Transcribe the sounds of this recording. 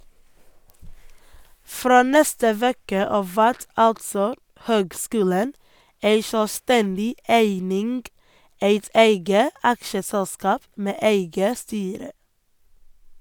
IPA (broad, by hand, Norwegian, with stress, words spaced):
ˈfɾoː ˈnɛstə ˈʋeːkə ˈɑːʋ ˈʋæɾt ˈɑltsɔ ˈhøːɡˌskʉːlən ˈeɪ ʃœˈstɛndɪ ˈæɪnɪŋɡ ˈæɪt ˈæɪɡə ˈɑkʃəsɛlˌskɑːp ˈmeː ˈeɪɡə ˈstyːɾə